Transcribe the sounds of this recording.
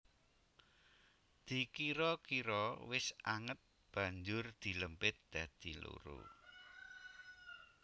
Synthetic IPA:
d̪̥i̤kiɾɔkiɾɔwɪsʔaŋət̪̚ | b̥ä̤ɲd͡ʒʊrd̪̥i̤ləmpɪt̪̚d̪̥ä̤d̪̥i̤lo̰ɾṵ

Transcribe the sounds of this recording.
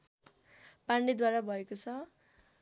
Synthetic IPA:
paɳɖid̪waɾabʱʌekot͡sʰʌ

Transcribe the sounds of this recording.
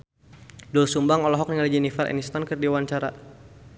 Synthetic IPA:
dulsumbaŋɔlɔɦɔk̚niŋalid͡ʒɛnifɛɾɛ̰nist̪ankərdiwaɲt͡ʃaɾa̰

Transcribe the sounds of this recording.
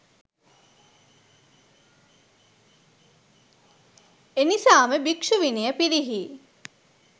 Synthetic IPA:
enisaːməbikʂuʋinijəpiɾiɦi

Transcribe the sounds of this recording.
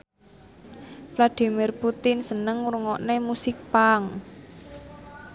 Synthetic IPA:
flad̪̥i̤mirput̪ɪnsənəŋuɾuŋɔʔnemusɪk̚paŋ

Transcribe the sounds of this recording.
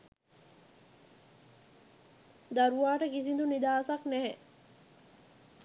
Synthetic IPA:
d̪ɐɾuʋaːʈəkisind̪unid̪aːsɐkneɦe

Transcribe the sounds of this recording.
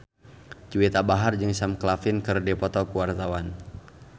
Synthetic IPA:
t͡ʃuwit̪abaɦard͡ʒɨŋsamklafɪnkɨrdɛpɔt̪ɔkuwart̪awan

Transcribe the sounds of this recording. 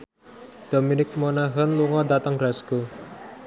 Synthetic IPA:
d̪̥o̤minɪk̚monaɦənluŋɔd̪at̪əŋɡɾasɡ̥o

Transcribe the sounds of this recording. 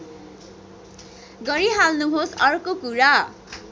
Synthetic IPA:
ɡʌɾiɦalnuɦosʌrkokuɾa

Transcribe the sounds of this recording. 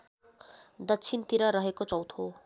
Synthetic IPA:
d̪ʌtt͡sʰint̪iɾʌɾʌɦekot͡sʌwt̪ʰo

